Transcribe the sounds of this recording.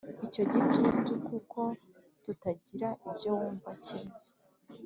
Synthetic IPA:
ico̞ɟit͡ʃutukukʰo̞ | tutaɟiɾaʔibjo̞wuːɱvacee

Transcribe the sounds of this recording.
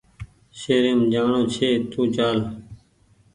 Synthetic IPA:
ʃeːɾeːmd͡ʒaːɳõːt͡ʃʰeːt̪ũːt͡ʃaːl

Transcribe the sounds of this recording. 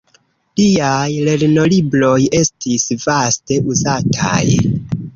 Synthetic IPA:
lijajle̞ɾno̞libɾo̞je̞stisvaste̞ʔuzatʰa̰j

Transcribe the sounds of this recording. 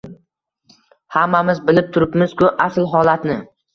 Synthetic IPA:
hamːamɪzbɪlɪp̚t̪ʰʊɾɪpmɪz̥kʰʊʔaslɦɒlat̪nɪ

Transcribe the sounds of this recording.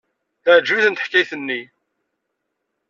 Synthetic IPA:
θæʕd͡ʒːuθənt̪əħkːajθənːi

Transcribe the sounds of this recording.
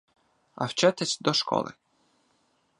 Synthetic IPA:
ɐ̰wt͡ʃɛt̪ɛsʲd̪ɔʃkɔ̰lˠɪ̰

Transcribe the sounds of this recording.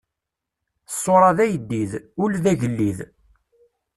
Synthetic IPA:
sˤːoɾˤɑðæjəd̪ːiðʊlðæʝəlːið

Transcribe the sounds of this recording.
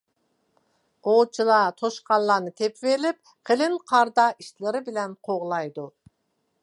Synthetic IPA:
b̥ot͡ʃʰɨlˠɑt̪ʰoʃqɑlˠːɑnɨt̪ʰepvelɪp̚ | qʰelɪnqʰɑɾd̪ɑiʃlɪɾɪbilɛnqʰoʁlˠɑjd̪u

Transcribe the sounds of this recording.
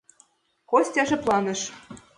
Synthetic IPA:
kosʲt̪ʲɑʒɘ̆plˠɑnɤ̆ʃ

